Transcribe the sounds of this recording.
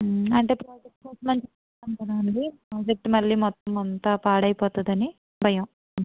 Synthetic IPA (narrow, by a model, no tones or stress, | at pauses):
ɐɳʈe̞ːpɾaːd͡ʒek̚ʈkɐsɐmɐɲt͡ʃi | ɐnkɐɽaːnɖipɾaːd͡ʒek̚ʈmɐlːiːmɔt̪ːɐmɐnt̪ɐpaːɽɐjipɔːt̪ud̪ɐni | bʱɐjɐm